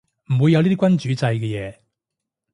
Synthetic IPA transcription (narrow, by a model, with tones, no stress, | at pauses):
m̩˨˩wu˨˧jːɐ˨˧w̪iː˥i˥kʷwɐ˥nt͡ʃyː˨˥t͡sɐ˧jkɛː˧jɛː˨˧